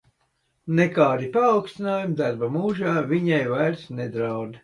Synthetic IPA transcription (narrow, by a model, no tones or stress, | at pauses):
nekaːɾipaːwkst̪inaːjumd̪aɾbamuːʒaːvʲiɲɛjvajɾsned̪ɾawd̪